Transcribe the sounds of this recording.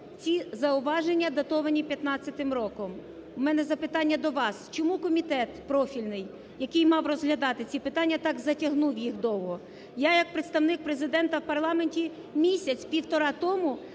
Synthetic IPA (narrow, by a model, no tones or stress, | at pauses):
t͡sʲizɐʊʋɑʒenʲːɐd̪ɐt̪ɔʋɐnʲipʲjɐt̪nɑt͡sʲːɐt̪ɪmɾɔkɔm | mɛnɛzɐpɪt̪ɑnʲːɐd̪ɔʋɑst͡ʃɔmukɔmʲit̪ɛt̪pɾɔfʲilʲnɪj | jɐkɪjmɑwrɔzɦlʲɐd̪ɑt̪ɪt͡sʲipɪt̪ɑnʲːɐt̪ɑɡzɐtʲɐɦnuwjixd̪ɔwɦɔ | jajɐk̚pɾet̪st̪ɐwnɪk̚pɾezɪd̪ɛnt̪ɐwpɐrlˠɑme̞nʲtʲi | mʲisʲɐt͡sʲpʲiwt̪ɔɾɑt̪ɔmʊ